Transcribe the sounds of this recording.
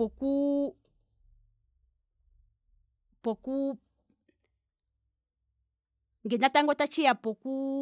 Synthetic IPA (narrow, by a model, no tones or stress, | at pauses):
ɔku | pɔku | ŋɡɛnataŋɡɔtat͡ʃijapɔku